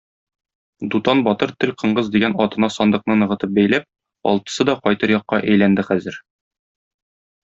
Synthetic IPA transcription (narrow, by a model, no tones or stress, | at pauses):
d̪ut̪ɑnbɒt̪ɤɾt̪ɘlqɤ̆ɴɢɤzd̪iɡænɒt̪ɤ̆nɑsɒnd̪ɤ̆qnɤnɤ̆ʁɤ̆t̪ɤp̚bæjlæp̚ | ɒ̰lˠt̪ɤ̥̆sɤd̪ɒqɒjt̪ɤɾjɒqːɑʔæjlænd̪ɘχæzɘɾ